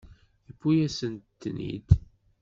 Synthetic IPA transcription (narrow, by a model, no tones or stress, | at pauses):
θəfːujæsənt̪ːnḭd̪